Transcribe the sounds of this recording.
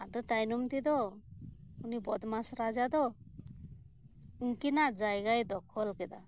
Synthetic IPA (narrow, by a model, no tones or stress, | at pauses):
ad̪ɔt̪ajnɔmt̪id̪ɔ | unibɔd̪masɾad͡ʒad̪ɔ | uŋkinaʔd͡ʒajɡajd̪ɔkʰɔlkɛd̪a̰